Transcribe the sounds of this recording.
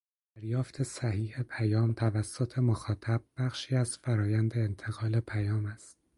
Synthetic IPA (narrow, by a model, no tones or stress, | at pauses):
d̥̪æɾjɒːft̪ʰe̞sæhiːhepʰæjɒːmt̪ʰævæsːot̪ʰe̞moxɒːt̪ʰæb̥̚b̥æχʃiːæz̥fæɾɒːjænd̪e̞ːnt̪ʰe̞ɣɒːle̞pʰæjɒːmæst̪̚